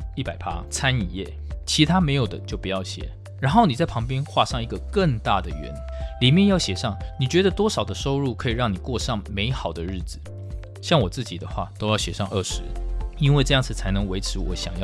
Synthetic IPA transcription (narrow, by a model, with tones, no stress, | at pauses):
i˥˩pa˨˩ɪpʰa̰˥t͡sʰa˥ni˨˩jɛ˥˩ | t͡ɕʰi˧˥t̪ʰa˥me˧˥ɪjo˨˩ʊd̪ə˦t͡ɕjo˥˩ʊpu˨˧˥jɑ˥˩ʊɕjɛ̰˨˦ | ɻa˧˥nxo˥˩ʊni˨˩t͡sa˥˩ɪpʰɑ˧˥ŋp̬jɛ˥nxwa˥˧ʂɑ˥˩ŋi˧˥ɡə˧kə˥˧ŋt̪a˥˩d̪ə˩ɥɛ̰˧˥nli˨˩mjɛ˥˧njɑ˥˩ʊɕjɛ˨˩ʂɑ˥˩ŋni˨˩t͡ɕɥɛ˧˥d̪ə˧t̪wɔ˥ʂɑ˨˩ʊd̪ə˦ʂo˥ʊɻu˥˩kʰɤ˧˥i˨˩ɻɑ˥˩ŋni˨˩kwɔ˥˧ʂɑ˥˩ŋme˧˥ɪxɑ˨˩ʊd̪ə˦ɻ̩˥˩d͡zɹ̩˨˩ | ɕjɑ˥˩ŋwɔ˨˩t͡sɹ̩˥˩t͡ɕi˨˩d̪ə˦xwa̰˥˩t̪o˥ʊjɑ˥˩ʊɕjɛ˨˩ʂɑ˥˧ŋʔə˥˩ʂɻ̩˧˥i˥nwe˥˧ʈ͡ʂɤ˥˧jɑ˥˩ŋt͡sʰɹ̩˨˩t͡sʰa˧˥ɪnɤ˧˥ŋwe˧˥ɪʈ͡ʂʰɻ̩˧˥wɔ̰˧˥ɕjɑ̰˨˩ŋjɑ˥˩